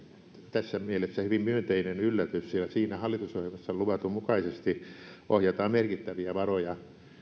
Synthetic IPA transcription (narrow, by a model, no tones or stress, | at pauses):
t̪æsːæmielesːæhyʋimmyønt̪einenylːæt̪yssilːæsiːnæhɑlːit̪usohjelmɑsːɑluʋɑt̪umukɑisest̪iʔohjɑt̪ɑːmmerkit̪ːæʋiæʋɑrojɑ